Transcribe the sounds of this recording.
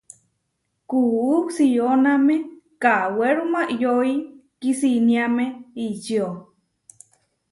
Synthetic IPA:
kuuksionamekaweɾumaʔjoi | kisiniameit͡ʃio

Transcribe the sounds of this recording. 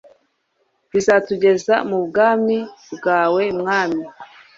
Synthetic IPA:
βizatuɟe̞za̰mubɡaːmibɡaːwe̞mŋaːmi

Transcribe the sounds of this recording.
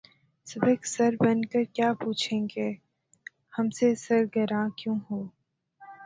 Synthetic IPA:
sɐbeːksɐɾbənkəɾkjaːpuːt͡ʃʰẽːŋɡeː | hɐmsesɐɾɡəɾãkjõːɦoː

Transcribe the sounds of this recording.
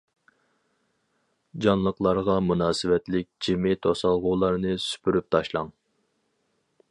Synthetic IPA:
d͡ʒɑnlˠəqlˠɑɾʁɑmunɑːsɪvɛt̪lɪk̚ʲd͡ʒimɪt̪ʰosɑlˠʁuːlˠɑɾnɨsy̥pʰyɾyp̚t̪ʰɑʃlˠɑŋ

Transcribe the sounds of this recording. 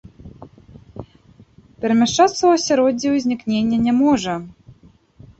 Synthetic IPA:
pʲɛɾmʲɛʂat̪sːɐwɐsʲɛɾɔdʲiuzʲnʲiknʲenʲːɛnʲɛmɔʐə

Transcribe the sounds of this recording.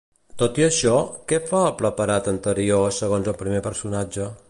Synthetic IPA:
t̪ot̪iəʃɔkɛfaəpləpəɾat̪ənt̪əɾiosəɣonzəlˠpɾimepəɾsunad͡ʒə

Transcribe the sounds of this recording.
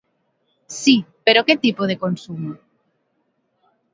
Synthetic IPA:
sipeɾoket̪ipoð̞ekonsumo

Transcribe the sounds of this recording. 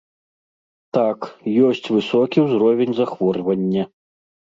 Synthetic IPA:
t̪akjɔsʲt͡sʲvɨsɔkʲiwzɾɔvʲenʲzaxvɔrvɐnʲːɐ

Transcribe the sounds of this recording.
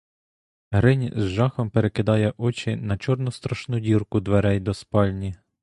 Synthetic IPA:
ɦɾɪnʲzʒɑxɔmpeɾekɪd̪ɑjɛʔɔt͡ʃʲɪnɐt͡ʃɔrnʊst̪ɾɐʃnudʲirkʊd̪ʋeɾɛjd̪ɔspɑlʲnʲi

